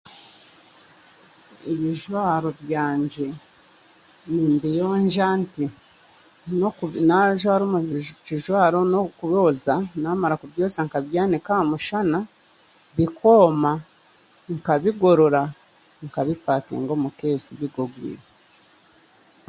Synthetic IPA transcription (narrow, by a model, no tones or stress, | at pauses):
iβiʒwaːɾo̞βjaːɲɟe̞ | niːmbijoːɲʒanti | nonaʒwaːɾomut͡ʃiʒwaːɾonokuβo̞ːzanaːmaɾakuβjoːzaŋkaβjaːnekamuʃana | βiko̞ːma | ŋkaβiɡo̞ɾo̞ɾa | ŋkaβipaːkḛːŋɡo̞ːmuke̞ːsiβiɡoɡwḭːɾe